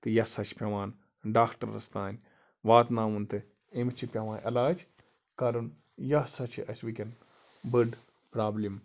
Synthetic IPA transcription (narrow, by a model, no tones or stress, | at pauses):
t̪ɨjɐsɐt͡ʃʰpʲɐʋaːn | ɖaːkʈɐ̰ɾːɐ̰st̪aːnʲ | ʋaːt̪nãːunt̪ɨ | imt͡ʃʰipʲɐʋãːnʔɐ̰laːd͡ʒ | kɐɾun | jɐsɐt͡ʃʰḭʔɐt͡ʃʰʋikʲen | bɨɖ | pɾaːblim